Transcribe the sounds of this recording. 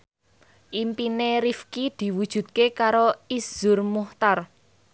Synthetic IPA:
ʔimpineɾifkid̪̥i̤wud̥ʒ̥ṳt̪̚kekaɾoiz̥ʊ̤rmuht̪ar

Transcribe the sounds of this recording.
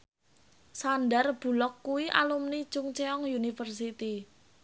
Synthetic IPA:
sanɖarb̥ṳlɔkːuwiʔa̰lumni̥t͡ʃʊŋt͡ʃeɔŋjunifərsit̪i

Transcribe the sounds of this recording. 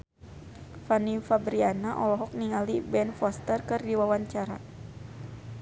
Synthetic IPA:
fanifabɾianaʔɔlɔɦɔk̚niŋalibɛnfɔst̪ərkɨrdiwawaɲt͡ʃaɾa̰

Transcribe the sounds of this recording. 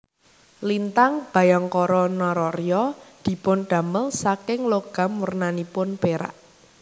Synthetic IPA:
lint̪aŋb̥ä̤jaŋkɔɾɔnɔɾɔrjɔd̪̥i̤pʊnɖ̪̥a̤məlsakɪŋloɡ̥a̤mwurnanipʊnpeɾa̰ʔ

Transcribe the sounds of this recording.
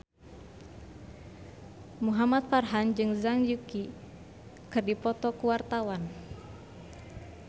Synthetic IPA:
muɦamat̪̚farɦand͡ʒɨŋzaŋjuki | kɨrdipɔt̪ɔkuwart̪awan

